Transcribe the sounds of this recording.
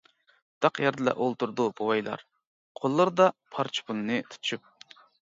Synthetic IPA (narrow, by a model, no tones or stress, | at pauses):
d̪̥ɑqjɑɾd̪ɨlɛ̰ʔolˠt̪uɾd̪ubowɑjlˠɑ̰ɾ | qʰolˠːɨɾd̪ɑpʰɑɾt͡ʃʰi̥pʰunɨnɨt̪ʰu̥ʃyp̚